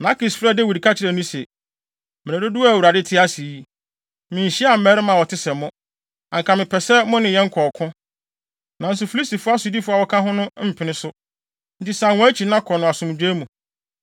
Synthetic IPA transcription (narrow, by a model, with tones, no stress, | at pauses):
na˦kɪ˨sfɾɛ˦˨dɛ˦wi˨dkʰa˦t͡ɕʰɪ˦ɾɛ˨nĩ˦sɛ˨ | mɪ̃˨æ˨do˦du˦a˦æ˨wu˨ɾa˨dɪ˦tʰɪ˦a˦si˨˦ | mɪ̃˨ɕi˦a˨m̩˦mɛ˦ɾɪ˦mã˨wɔ˨tʰɪ˦sɛ˨mʊ̃˦ | ã˨ŋ̩˨kʰã˨mɪ̃˨pʰɛ˨sɛ˦mʊ̃˦nɪ̃˨jɛ˦ŋ̩˦kʰɔ˨kʰʊ̃˦ | nã˨n̩˦s̬ʊ˨fi˨li˦si˨fʊ˦a˦sʊ˨di˦fʊ˦a˨wɔ˦kʰã˦ɦʊ̃˦nʊ̃˦m̩˨pʰɪ˨nɪ̃˦sʊ˦ | n̩˨ti˦sa˨ʊ̃˦æ˦t͡ɕʰi˨nã˦kʰɔ˨nʊ̃˨a˨sʊ̃˨m˨d͡ʑᶣeː˦mũ˨